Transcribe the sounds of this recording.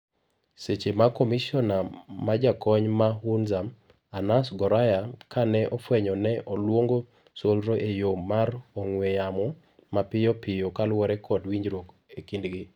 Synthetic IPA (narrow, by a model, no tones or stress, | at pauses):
set͡ʃemakɔmisɔnamad͡ʒakɔɲmahunzam | anasɡɔɾajakanɛʔɔfwɛɲɔnɛʔɔlwoŋɡo | solɾoʔejomarɔŋwejamɔ | mapɪjɔpɪjokalwɔɾɛkʰɔdwiɲd͡ʒɾok | ekindɡɪ